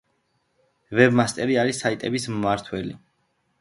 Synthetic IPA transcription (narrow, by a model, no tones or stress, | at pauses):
vɛbmast̪ʼɛɾiaɾisait̪ʼɛbismːaɾt̪ʰwɛli